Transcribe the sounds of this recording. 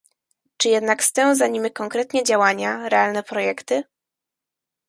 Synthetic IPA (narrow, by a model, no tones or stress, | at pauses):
t͡ʂɘjɛd̪nakst̪ɛw̃zaɲimʲikɔŋkɾɛt̪ɲɛd͡ʑawaɲaɾɛalnɛpɾɔjɛkt̪ɘ